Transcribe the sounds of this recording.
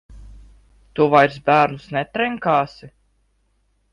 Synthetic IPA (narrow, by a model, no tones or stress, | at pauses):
t̪uvajɾsbæːɾnusnɛt̪ɾɛŋkaːsi